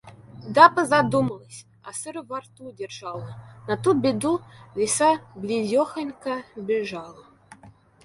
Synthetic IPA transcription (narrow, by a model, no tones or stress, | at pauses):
d̪ɑpəzad̪uməlˠəsʲ | a̰sɨɾvɑrt̪udʲerʒ̥ɑlˠənat̪ubʲed̪uvʲesɑblʲizʲoxə̆nʲkəbʲeʒɑlˠə